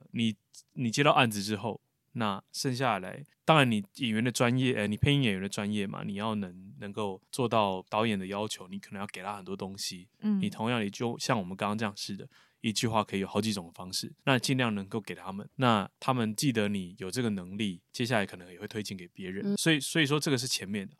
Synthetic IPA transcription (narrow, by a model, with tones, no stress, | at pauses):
ni˨˩ | ni˨˩t͡ɕjɛ˥t̪ɑ˥˧ʊʔa˥˩nd͡zɹ̩˨˩ʈ͡ʂɻ̩˥˦xo˥˩ʊ | na˥˩ʂə˥˧ŋɕ̬ja˥˨la̰˧˥ɪt̪ɑ˥ŋɻa˧˦ni˨˩i˨˩ɥɛ˧˦nd̪ə˨˧ʈ͡ʂwa˦njɛ˥˩ʔə˩ni˨˩pʰe˥˧ɪi˥˩ŋjɛ˨˩ɥɛ˧˦nə˨ʈ͡ʂwa˦˥njɛ˥˩ma̰˩ni˨˩jɑ˥˩ʊnə˧˥ŋnə˧˥ŋko˥˩ʊt͡swɔ˥˧t̪ɑ˥˩ʊt̪ɑ˧˥ʊjɛ˨˩nd̪ə˩jɑ˦˥ʊt͡ɕʰjo˧˥ʊni˨kʰnə˧˦jɑ˥˩ke˨ɪt̪ʰa˥xə˨˩nt̪wɔ˥t̪o˥ŋɕi˦ni˨˩t̪ʰo˧˥ŋjɑ˥˩ŋd̪ə˨˩t͡ɕjo˥˧ʊɕjɑ˥˩ŋwɔ˨˩mə˦nkŋʈ͡ʂɤ˥˧jɑ˥˧ŋʂɻ̩˥˩d̪ə̰˩ | i˧˥t͡ɕy˥˧xwa˥˩kʰɤ˧˥i˧˨jxɑ˧˥ʊt͡ɕi˨˧˥ʈ͡ʂʊ˨˩ŋd̪ə˦fɑ˥ŋʂɻ̩˥˩na˥˧t͡ɕi˥˧nljɑ˥˩ŋnə˧˥ŋko˥˩ʊke˨˩ɪt̪ʰa˦˥mə˨nna˥˨t̪ʰa˥mə˨nt͡ɕi˥˩d̪ə˧˦ni˨˩jo˨˩ʊʈ͡ʂɤ˥˩ɡə˩nə˧˦ŋli˥˨t͡ɕjɛ˥ɕ̬ja˥˩la˧˥ɪkʰɤ˨˩nə˦ŋjxwe˥˩ɪt̪ʰwe˥ɪt͡ɕi˥˩nke˨˩ɪpjɛ˧˥ɻə˨˦nswɔ˧˥i˨˩swɔ˧˥i˨˩ʂ̬wɔ˥ʈ͡ʂɤ˥˩ɡə˩ʂɻ̩˥˩t͡ɕʰjɛ˧˥nmjɛ˥˩nd̪ə˩